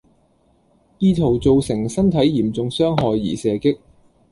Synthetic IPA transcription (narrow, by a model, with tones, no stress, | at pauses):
jiː˧t̪ʰo˨˩wt͡so˨˧wsɪ˨˩ŋsɐ˥nt̪ʰɐ˨˥jːiː˨˩mt͡sʊ˧ŋsœː˥ŋɦɔː˨˧jːiː˨˩sɛː˨˧kɪ˥k̚